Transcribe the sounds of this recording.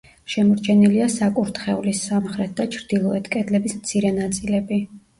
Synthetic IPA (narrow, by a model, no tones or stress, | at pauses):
ʃɛmɔɾt͡ʃʰɛniliasakʼuɾt̪ʰχɛulisːamχɾɛt̪̚ʰd̪at͡ʃʰɾd̪̥ilˠɔɛt̪ʰkʼɛd̪lɛbismt̪sʰiɾɛnat̪sʼilɛbi